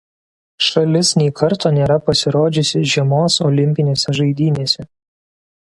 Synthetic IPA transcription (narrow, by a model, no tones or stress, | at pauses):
ʃɐlʲɪsnʲɛɪkʰɐɾt̪oːnʲeːɾɐpɐsʲɪɾoːd͡ʒʲʊsʲɪʒʲiɛmoːsɔːlʲɪmʲpʲɪnʲeːsʲɛʒɐɪd̪ʲiːnʲeːsʲɛ